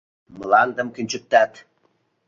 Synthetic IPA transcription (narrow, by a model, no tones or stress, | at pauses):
mɤ̆lɑnd̪ə̆mkynʲt͡ɕɘ̆p̚t̪ɑt̪